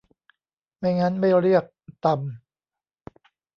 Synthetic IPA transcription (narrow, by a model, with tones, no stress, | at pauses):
ma˥˩jŋa˦˥nma˥˩jɾi˥˩ək̚t̪a˨˧m